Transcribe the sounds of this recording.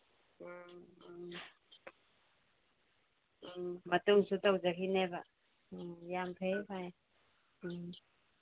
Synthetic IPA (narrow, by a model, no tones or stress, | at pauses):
mat̪uŋsut̪awzakʰineba | jampʰejpʰaj